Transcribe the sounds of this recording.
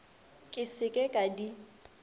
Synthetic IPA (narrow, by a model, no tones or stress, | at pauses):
kʼɪsɪkʼekʼadi